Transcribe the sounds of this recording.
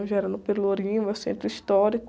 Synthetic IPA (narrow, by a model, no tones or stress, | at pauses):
ʒaɛɾɐnʊpeɾloɾĩmʊewsḛ̃nt̪ɾʊist̪ɔɾikʊ